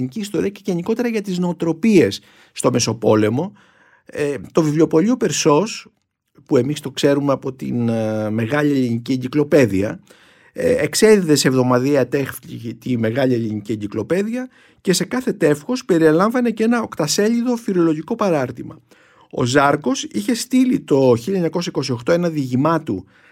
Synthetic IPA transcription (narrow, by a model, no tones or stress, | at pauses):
niciːst̪o̞ɾiɐceʝe̞niko̞t̪e̞ɾɐʝɐt̪izno̞ːt̪ɾo̞pie̞sː | t̪o̞me̞sopo̞le̞mo̞ | t̪o̞vivlo̞po̞ʎiope̞ɾso̞s | pue̞mist̪o̞kse̞ɾumeɐpo̞t̪ḭnme̞ɣɐʎie̞linicieɲɟiklo̞pe̞ðiɐ | ekse̞ðiðe̞seːvðo̞mɐðiɐt̪exθʎiʝit̪ime̞ɣɐʎielinicieɲɟiklo̞pe̞ðiɐ | ce̞se̞kɐθe̞t̪e̞fxo̞spe̞ɾielɐɱvɐne̞ce̞nɐokt̪ɐse̞ʎiðo̞fiɾo̞lo̞ʝiko̞pɐɾɐɾt̪imɐ̰ | o̞̰zɐɾko̞siçe̞st̪ilit̪o̞çiʎɐeɲɐko̞sɐiko̞sio̞xt̪o̞e̞nɐðiʝimɐt̪u